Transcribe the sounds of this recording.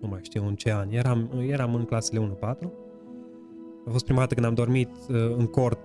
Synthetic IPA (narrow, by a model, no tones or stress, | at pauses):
umajʃt̪ijwɨnt͡ʃe̞anʲjeɾamjeɾamɨŋklasele̞unupat̪ɾu | afost̪pɾimad̪at̪əkɨd̪amd̪o̞rmit̪ɨŋko̞rt̪